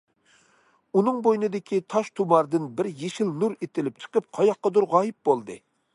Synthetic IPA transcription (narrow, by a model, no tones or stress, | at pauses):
unɨŋbojnɨd̪ɪkʲʰit̪ʰɑʃt̪ʰumɑɾd̪ɨnbɪɾjeʃilnuɾet̪ʰɪlɪp̚t͡ʃʰə̥qəp̚qʰɑjɑq̚ːɑd̪uɾʁɑːjip̚bolˠd̪ɨ